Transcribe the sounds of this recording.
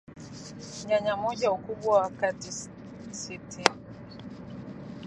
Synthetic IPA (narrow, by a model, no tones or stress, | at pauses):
ɲaɲamɔd͡ʒaukubwawakati | sitʰin